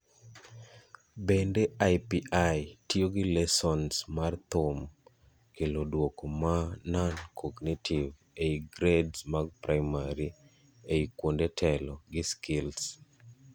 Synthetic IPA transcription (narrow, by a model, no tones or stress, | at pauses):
bendeajpiʔajtioɡɪlɛsɔnsmart̪om | kelodwokomanankʰɔɡnitʰiv | eiɡɾedsmaɡ̚pɾajmaɾi | eikwondetʰɛlɔɡɪskɪls